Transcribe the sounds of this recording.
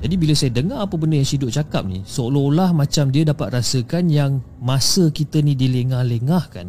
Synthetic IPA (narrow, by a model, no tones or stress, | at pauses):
d͡ʒadibilasajədəŋaapəbəndəjaŋsidʊʔ̚t͡ʃaka̰p̚nḭsoolɔlahmãt͡ʃamdiədapat̪̚rasəkanjaŋ | masəkit̪ənĩdiləŋahləŋahka̰n